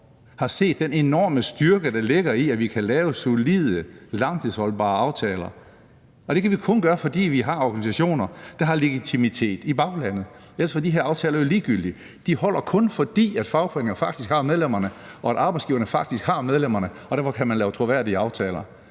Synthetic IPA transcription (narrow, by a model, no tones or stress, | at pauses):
hɑ̈se̝̰ːd̥ːene̝nɒːməsd̥yɐɡ̥əd̥ɑ̈le̝ɡ̥ɐiæʋikʰælɛːʊəso̝liðˠəlɑ̈ŋt͡sʰɨðˠshɒ̽lb̥ɑ̰̈ːɑ̈ʊt͡sʰɛːlɐ | ɒ̽d̥e̝kʰæʋikʰɔ̽nɡ̥ɶːɐfɒ̽d̥ḭːʋiɦɑ̈ɒɡ̥ænisæɕo̝̰ːnɐd̥ɑ̈ɦɑ̈le̝ɡ̥it͡sʰimit͡sʰe̝̰ːd̥ib̥ɑ̈ʊlæn̰ð̩ˠ | el̰sfɒ̽diɦeɐɑʊt͡sʰɛːlɐjo̝liːɡ̥yl̰d̥i | d̥ihɒ̽l̰ʔɐkʰɔ̽nfɒ̽d̥ḭːæd̥fɑ̈ʊpʰʁeŋɐnfɑ̈ɡ̥d̥isɡ̥hɑ̈með̞ˠlem̰ɐnəɒ̽æɾɑ̈ːb̥ɑ̈ɪsɡ̥iːʊɐnəfɑ̈ɡ̥̚d̥isɡ̥hɑ̈með̞ˠlem̰ɐnəɒ̽d̥æɐfɒ̽kʰæmænlɛːʊt͡sʰʁoʋæɐ̰diəɑ̈ʊt͡sʰɛːlɐ